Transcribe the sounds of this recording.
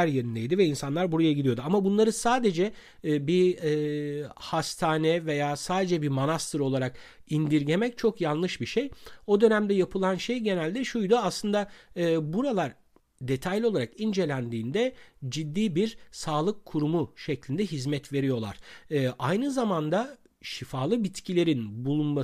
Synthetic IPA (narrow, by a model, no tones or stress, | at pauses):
æɾjeɾind̪ejd̪ivɛinsanlˠaɾbuɾajaɟid̪ijo̞d̪uamabunlˠaɾɯsaːd̪e̞d͡ʒɛ | biː | hast̪ʰaːnɛve̞jaːsaːd̪e̞d͡ʒɛbiɾmonast̪ʰɯɾo̞lˠaɾak | ind̪iɾɟe̞mɛc̚t͡ʃʰo̞kjanlˠɯʃbiʃejo̞d̪ø̞næmd̪ɛjapʰɯlˠanʃejɟe̞nælʲd̪ɛʃujd̪uaslˠɯnd̪aɯːbuɾalˠaɾ | d̪e̞t̪ʰajlʲio̞lˠaɾakind͡ʒe̞lʲænd̪iːnd̪ɛd͡ʒid̪ːiːbiɾsaːlˠɯkʰːuɾumuʃɛclʲind̪ɛɦizmɛt̪ve̞ɾijo̞lˠa̰ɾ̥ɯːʔajnɯzamand̪a | ʃifaːlˠɯbit̪cʰilʲe̞ɾinbulˠunma